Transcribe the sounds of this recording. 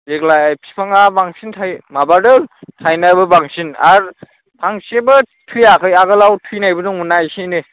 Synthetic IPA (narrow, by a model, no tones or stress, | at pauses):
zeklajajpʰi̥pʰaŋabaŋsintʰajmabadɯtʰajnajbɯbaŋsina̰ɾ | pʰaŋsebɯ | tʰujakʰɯjaɡalawtʰujnajbɯduŋunajsine